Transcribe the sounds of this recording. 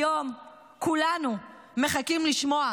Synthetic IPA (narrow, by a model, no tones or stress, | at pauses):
o̞m | kulanuː | e̞χakimliʃmo̞a